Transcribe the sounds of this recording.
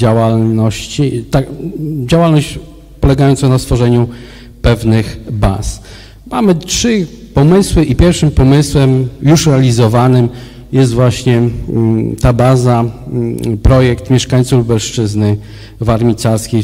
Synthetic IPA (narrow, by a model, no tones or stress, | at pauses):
d͡ʑawalnɔɕt͡ɕit̪ad͡ʑawalnɔɕt͡ɕ | pɔlɛɡajɔnt̪sɔnast̪fɔʐɛɲu | pɛvnɘxba̰s | mamɘtʂɘpɔmɘswɘʔipʲjɛɾfʂɘmpɔmɘswɛmjuʂɾɛalʲizɔvanɘm | jɛst̪vwaɕɲɛ | t̪abaza | pɾɔjɛkt̪mʲjɛʂkaɲt̪subɛlʂt͡ʂɘznɘ | vaɾmʲit̪saɾskʲej